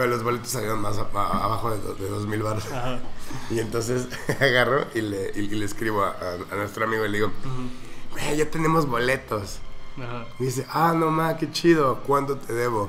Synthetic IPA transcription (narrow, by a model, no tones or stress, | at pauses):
lo̞zβo̞le̞t̪osːaljeɾonmasaa̰βaxo̞ðḛðeðo̞zmilβaɾðo | ie̞nt̪o̞ns̬e̞s | aɣaroʔileleskɾiβoa̰ʔaanwe̞st̪ɾoamiɣoileðiɣo | beʝo̞t̪e̞ne̞mo̞zβo̞le̞t̪o̞saðis̬e̞ʔanomake̞t͡ʃiðo̞kwant̪o̞t̪ʰe̞ðe̞βo̞